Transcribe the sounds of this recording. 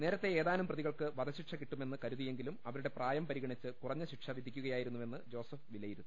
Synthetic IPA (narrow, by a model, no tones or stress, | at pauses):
ne̞ːɾɐt̪ːe̞eːðaːnumprɐðiɣɐɭkɨʋɐd̪ɐɕiʈʂɐkiʈːume̞nːɨkɐɾuðije̞ŋɡilumɐʋɐɾuɽe̞praːjɐmpɐɾiɣɐɳit͡ɕːɨkurɐɲːɨɕiʈʂɐʋid̪ʱikʲːuɣɐjaːjiɾunːuʋe̞nːɨd͡ʑo̞ːsɐfʋilːɐjiɾunː